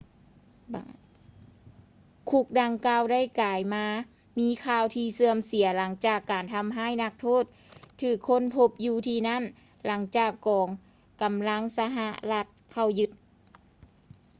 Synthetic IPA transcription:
kʰu˧˩k̚da˧ŋkaː˧wda˥˨jkaː˨˩jmaː˧ | miː˧˥kʰaː˧wt̪ʰiː˧sɯ˧əmsi˨˩˦la˩˦ŋt͡ɕaː˧˩kːaː˨˩nt̪ʰa˧˥mɦaː˥˨jna˧k̚t̪ʰoː˥˨t̪̚ʰː | ɯː˧˩kʰːo˧˥˨npʰo˧p̚juː˧t̪ʰiː˧na˥˨n | la˨˦ŋt͡ɕaː˨˩kːɔː˨˩ŋ | ka˨˩mla˧˥˨ŋsa˧ɦa˧ʔla˧t̪̚kʰa˧˩wjɯ˧t̪̚

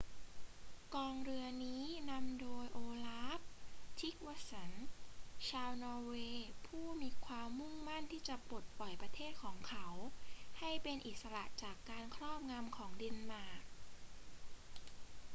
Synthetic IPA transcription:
kɔː˧ŋɾɯ˧ɐniː˦˥na˧mdoː˧jʔoː˧laː˦˥p̚t̪ʰi˦˥k̚wa˧˥sa˩nt͡ɕʰaː˧wnɔː˧weː˧pʰuː˥˩miː˧kʰwaː˧mːu˥˩ŋma˥˩nt̪ʰiː˥˩t͡ɕa˨˩po˨˩t̪̚pɔ˨˩jpɾa˧t̪ʰeː˥˩t̪̚kʰɔː˩˦ŋkʰa˦˥wha˥˩jpe˧nʔi˨˩t̪̚sa˧ɾa̰˨˩ʔt͡ɕaː˨˩kːaː˧nkʰɾɔː˥˩p̚ŋa˧mkʰɔː˩˦ŋdi˧nmaː˧˩k̚

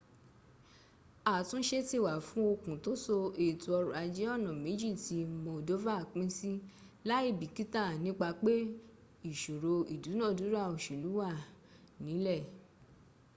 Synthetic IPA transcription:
a˦˨tũ˦ʃe˦ti˦˨wa˨fũ˦o˧kũ˨to˦so˧e˨tu˨ɔ˧ɾu˨a˧d͡ʒɛ˨˦ɔ˦˨nã˨me˨˦d͡ʒi˦˨ti˧˦mɔ̃˧do˦va˦˨k͡pĩ˦si˦ | la˦i˦˨bi˨ki˦ta˦˨nĩ˦k͡pa˧k͡pe˦ | i˨ʃo˨ɾo˧i˨du˨˦nã˦˨du˨˦ɾa˦˨o˨ʃu˨lu˨˦wa˦˨ | nĩ˨˦lɛ˦˨

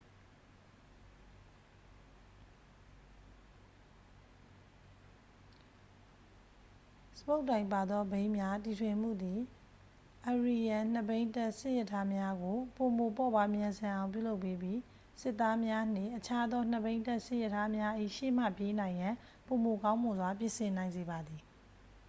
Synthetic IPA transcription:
sə̥po˦ʊtːã˨ɪ̃pa˨d̪ðɔ˦bẽ˦ɪ̃mja˦ti˨tʰwɪ̃˨m̥ṵ˦˨d̪i˨ | ʔə˨ɹi˨jã˨n̥əbẽ˦ɪ̃ntɛ˦ʔsɪ˦ʔjɛ˦˨tʰːa˦mja˦ɡo˨po˨mo˨pɔ˦˨ba˨mjã˨nzã˨ʔã˨ʊ̃pjṵ˦˨lo˦ʊpːe˦bji˦ | sɪ˦ʔt̪ːa˦mja˦n̥ɪ̰̃˦˨ʔət͡ɕʰa˦d̪ɔ˦n̥əbẽ˦ɪ̃tɛ˦ʔsɪ˦jɛ˦˨tʰa˦mja˦ʔḭ˦˨ʃḛ˦˨m̥a̰˦˨pje˦nã˨ɪ̃jã˨ | po˨mo˨kã˦ʊ̃mo˨zwa˨p̬jɪ̃˦˨sɪ̃˨nã˨ɪ̃nze˨ba˨d̪i˨

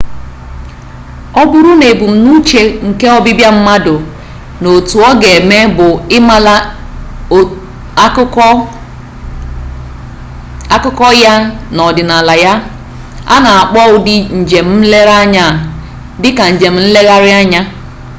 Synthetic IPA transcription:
ɔ˦bʊ˦ɾu˦ne˨bu˨m̩˨nu˦t͡ʃe˨ŋ̩˨ke˦ɔ˦bɪ˦bja˦m̩˦ma˦dʊ˨ | no˨tu˨ɔ˦ɡe˨me˦bʊ˨ɪ˦ma˦la˦˨˦ | a˦kʊ˦kɔ˦ja˦nɔ˨dɪ˨na˨la˨ja˦ | a̰˦na˨a˨k͡pɔ˦ʊ˦dɪ˦n̩˨d͡ʒe˨m̩˦m̩˦le˦ɾa˦ɲa˦˨ | dɪ˦ka˨n̩˨d͡ʒe˨m̩˨n̩˦le˦ɣa˦ɾɪ˦a˦ɲa˦

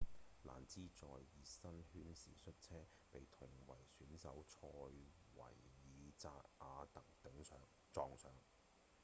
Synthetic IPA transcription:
la̰ː˨˩nt͡siː˥t͡sɔː˨jːiː˨sɐ˥nhyː˥nsiː˨sɵ˥t̚t͡sʰɛː˥ | pe˨jt̪ʰʊ˨˩ŋwɐ˨˩jsyː˨˥nsɐ˨˥wt͡ʃʰɔː˧j | wɐ̰˨˩jːiː˨t͡saː˧k̚ʔaː˨˧t̪ɐ˨˥k̚t̪ɐ˨˥ŋsœː˨˧ŋ | t͡sɔː˨˧ŋsœː˨ŋ

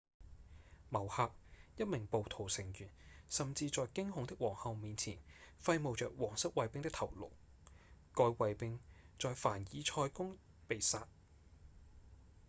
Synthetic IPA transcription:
mɐ˨˩whaː˧p̚jɐ˥t̚mɪ˨˩ŋpo˨wt̪ʰo˨˩wsɪ˨˩ŋjyː˨˩nsɐ˨mt͡siː˧t͡sɔː˨jkɪ˥ŋɦʊ˨˧ŋt̪ɪ˥k̚wɔː˨˩ŋhɐ˨wmiː˨˧nt͡sʰiː˨˩nfɐ˧jmo˨wt͡ʃœː˨k̚wɔː˨˩ŋsɐ˥t̚wɐ˨˧jpɪ˧ŋt̪ɪ˥kt̪ʰɐ˨˩wlo̰˨˩w | kɔː˧jwɐ˨jpɪ˧ŋt͡sɔː˨jfaː˨˩njiː˨˧t͡ʃʰɔː˧jkʊ˥ŋ | pe˨jsaː˧t̚

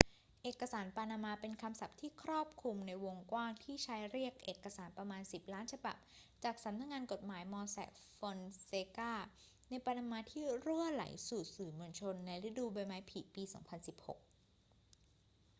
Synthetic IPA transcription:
ʔeː˨˩kːa˧saː˩˦npaː˧naː˧maː˧pe˧nkʰa˧msa˨˩p̚t̪ʰiː˥˩kʰɾɔː˥˩p̚kʰu˧mna˧jwo˧ŋkwaː˥˩ŋt̪ʰiː˥˩t͡ɕʰa˦˥jɾi˥˩ək̚ʔeː˨˩kːa˧saː˩˦npɾa˧maː˧nsi˨˩p̚laː˦˥nt͡ɕʰa˧ba˨˩p̚t͡ɕaː˨˩k̚sa˨˩˦mna˧˥k̚ŋaː˧nko˨˩t̪̚maː˩˦jmɔː˧sɛ̰˨˩k̚ | fo˧nseː˧kaː˥˩ | na˧jpaː˧naː˧maː˧t̪ʰiː˥˩ɾu˥˩əla̰˨˩˦jsuː˨˩sɯː˨˩mɯ˧ənt͡ɕʰo˧nːa˧jɾi˦˥duː˧ba˧jmaː˦˥jpʰi˨˩piː˧sɔː˩˦ŋpʰa˧nsi˨˩p̚ho̰˨˩k̚

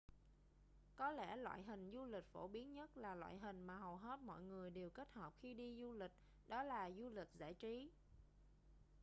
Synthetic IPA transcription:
kɔ˨˦lɛ̰˧˩lwa̰ː˧˨jɦï˨˩ŋ̟zu˧lï˨˩k̟̚fo˧˩ɓi˨˦ənɲə˦˥t̚laː˨˩lwa̰ː˧˨jɦï˨˩ŋ̟maː˨˩ɦə˨˩wɦe˦˥t̚mɔ̰˧˨jŋɨ˨˩əjɗe˨˩wke˦˥t̚hɔː˨˩p̚xi˧ɗi˧zu˧lï˨˩k̟̚ | ɗɔ˨˦laː˨˩zu˧lï˨˩k̚za̰ː˧˩jt͡ɕi˨˦

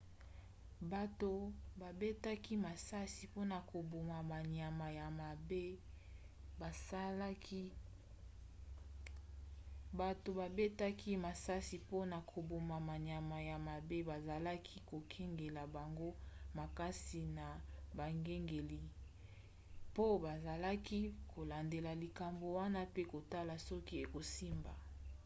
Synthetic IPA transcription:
ba˨to˨ba˨be˦ta˦ki˦ma˨sa˦si˨po˦na˨kʰo˨bo˨ma˨ma˨ɲa˨ma˨ja˨ma˨be˦ | ba˨˦ | ba˨to˨ba˨be˦ta˦ki˦ma˨sa˦si˨po˦na˨kʰo˨bo˨ma˨ma˨ɲa˨ma˨ja˨ma˨be˦ba˨za˨la˦kʰi˦ko˨kʰɛ˦ŋɡe˨la˨ba˨ŋɡo˦ma˨ka˦si˨na˨ba˨ŋɡe˦ŋɡe˨li˨ | po˦ba˨za˨la˦ki˦kʰo˨la˨nde˨la˨li˨ka˨mbo˨wa˦na˦pe˦ko˨ta˦la˨sɔ˦ki˦e˨ko˨si˦mba˨

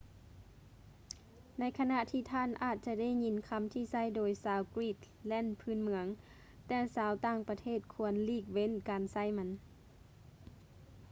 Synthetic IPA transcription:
na˧˥jkʰa˧na˧˨ʔt̪ʰiː˧˩t̪ʰaː˧˥˨nʔaː˨˩t̪̚t͡ɕa˧da˥˨jɲi˨˥nkʰa˧˥mt̪ʰiː˧sa˥˨jdoː˨˩jsaː˨˦wkɾiː˧˩t̪̚ | lɛː˧˥˨npʰɯː˧˥˨nmɯ˧˥əŋ | t̪ɛː˧˩saː˨˦wt̪aː˧˥˩ŋpa˧t̪ʰeː˧˥˩t̪̚kʰu˧ənliː˧˩k̚we˧˥˨nkaː˨nsa˧˥˩jma˧˥n

